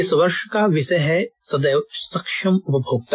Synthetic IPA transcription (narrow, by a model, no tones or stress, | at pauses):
ɪsʋɐɾʃəkaʋɪsɐjɦɛsɐd̪ɐjsɐkʃɐmʊpɐbʱoːɡ̚t̪